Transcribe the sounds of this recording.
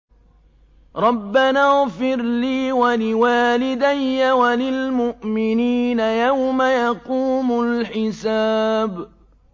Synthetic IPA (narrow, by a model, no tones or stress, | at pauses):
ɾˤɑbːanaɣfɪɾliːwalɪwaːlɪd̪ajːawalɪlmʊʔmɪniːnajawmajɑquːmʊlħɪsaːb